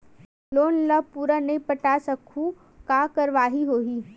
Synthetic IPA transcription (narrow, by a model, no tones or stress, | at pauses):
loːnlɐpuːɾanɐĩpɐʈaːsɐkʰũ | kaːkɐɾʋaːɦiɦoːɦiː